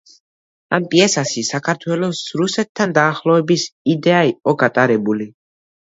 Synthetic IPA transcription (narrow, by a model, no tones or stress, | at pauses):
a̰mpʼiɛsaʃisakʰaɾt̪ʰwɛlɔsɾusɛt̪ʰːand̪aːχlˠɔɛbisid̪ɛaiqʼɔɡat̪ʼaɾɛbuli